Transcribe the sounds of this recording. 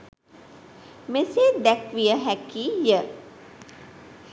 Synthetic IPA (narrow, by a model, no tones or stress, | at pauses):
mesed̪ɛkʋijəɦɛkiːjə